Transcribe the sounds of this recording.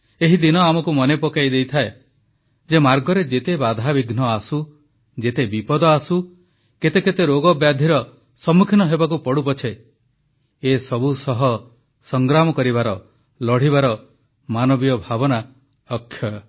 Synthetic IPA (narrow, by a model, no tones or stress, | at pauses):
eɦid̪inɔamɔkumɔnepɔkajd̪ejt̪ʰae | d͡ʒemaɾɡɔɾed͡ʒet̪ebad̪ʱabiɡnɔasu | d͡ʒet̪ebipɔd̪ɔasu | ket̪eket̪eɾoɡɔbjad̪ʱiɾɔ | sɔmukʰinɔɦebak̬upɔɽupɔt͡ʃʰe | esɔbusɔɦɔ | sɔŋɡɾamɔkɔɾibaɾɔ | lɔɽ̤iβaɾɔ | manɔbijɔbʱabɔna | ɔkʰːjɔ